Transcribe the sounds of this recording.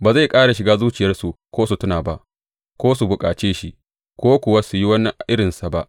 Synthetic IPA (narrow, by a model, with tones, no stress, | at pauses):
baː˨za˦˨jkʼaː˦ɽa˨ʃɪ˨ɡaː˦zuː˦t͡ʃɪ˨jɐ˦rsu˨kʷoː˦su˨tʊ˦naː˨ba˦ʔ | kʷoː˦su˨bʊ˨kʼa̰ː˨t͡ʃeː˦ʃi˦ | kʷoː˦kʷʊ˨wa˦su˨ji˦wɐ˦n˦˨ʔɪ˦ɽɪ˨nsa˨ba˦ʔ